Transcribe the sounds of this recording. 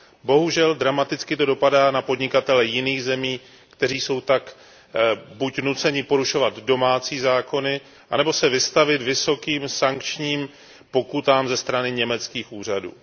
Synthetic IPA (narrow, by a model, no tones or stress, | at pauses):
bo̞ɦuʒɛld̪ɾamat̪ɪt͡skɪt̪o̞do̞padaːnapo̞dɲɪkat̪ɛlɛjɪniːɣzɛmiː | kt̪ɛɾ̝iːso̞wt̪ak | bucnut͡sɛɲɪpo̞ɾuʃo̞vad̪do̞maːt͡siːzaːko̞nɪ | ʔanɛbo̞sɛvɪst̪avɪt̪vɪso̞kiːmsaŋkt͡ʃɲiːm | po̞kut̪aːmzɛst̪ɾanɪɲɛmɛt͡skiːxʔuːr̝adṵː